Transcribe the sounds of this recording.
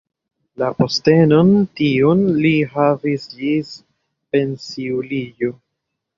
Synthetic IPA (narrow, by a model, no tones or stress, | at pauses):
laposte̞no̞ntionliɦavisd͡ʒis | pe̞nsiulid͡ʒo